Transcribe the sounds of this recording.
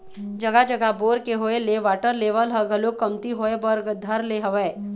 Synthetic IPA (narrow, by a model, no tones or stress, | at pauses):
d͡ʒɐɡad͡ʒəɡaboːɾkeɦoeleʋaːʈəɾleːʋəlɦəɡɐlokɐmt̪iɦoebɐɾɡd̪ʱɐɾleɦɐʋeː